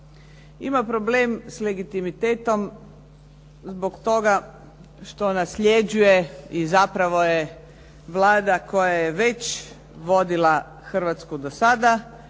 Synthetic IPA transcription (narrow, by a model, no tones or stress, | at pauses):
ḭmapɾobleːmsleɡit̪imit̪eːt̪o̞m | zbokt̪o̞ɡa | ʃt̪o̞nasʎʲed͡ʒujeizapɾaʋo̞je | ʋlˠaːd̪ako̞jajeʋet͡ɕ | ʋo̞d̪ila | xr̩ʋat̪skud̪osad̪a